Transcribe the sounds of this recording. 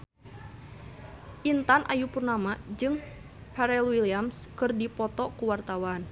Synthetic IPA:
ʔint̪anʔa̰jupurnamad͡ʒɨŋ | pɛɾɛlwiliamskɨrdipɔt̪ɔkuwart̪awan

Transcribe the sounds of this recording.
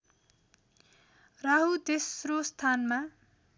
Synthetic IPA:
rʌɦut̪esrost̪ʰanma

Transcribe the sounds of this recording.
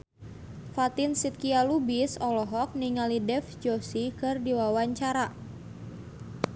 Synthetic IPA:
fat̪ɪnsit̪̚kialubisɔlɔɦɔk̚niŋalidɛfd͡ʒosikɨrdiwawaɲt͡ʃaɾa

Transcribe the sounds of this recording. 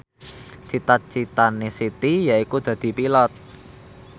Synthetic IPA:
t͡ʃit̪at̪̚t͡ʃit̪anesit̪ijaikud̪̥ä̤d̪̥i̤pilɔt̪̚

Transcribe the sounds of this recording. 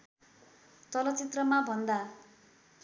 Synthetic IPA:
t͡s̪ʌlʌt͡sit̪rʌmabʱʌnd̪a

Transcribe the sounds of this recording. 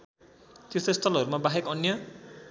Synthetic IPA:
t̪est̪ost̪ʰʌlɦʌɾumabaɦekʌnjʌ

